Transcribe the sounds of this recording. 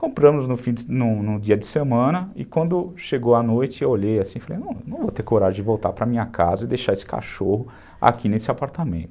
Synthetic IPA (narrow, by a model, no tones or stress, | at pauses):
kõmpɾɐ̃mʊznʊfĩnʊnʊd͡ʒiɐd͡ʒɪsemɐ̃nɐɪkwɐ̃nd̪ʊʃeɡowanojt͡ʃɪewoʎejasĩfalḛjnɐ̃w̃wnɐ̃w̃vot̪ekoɾaʒʊ̃d͡ʒɪvowt̪aɾpɾɐmĩɲɐkazɐɪd̪ejʃaesɪ̥ka̰ʃohʊ | a̰kʰinesɪapaɾt̪amḛ̃nt̪ʊ̥